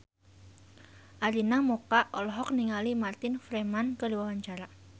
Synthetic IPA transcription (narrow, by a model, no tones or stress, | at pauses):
ʔaɾinamokaʔɔlɔɦɔk̚niŋalimart̪ɪnfɾemankəliwawaɲt͡ʃaɾa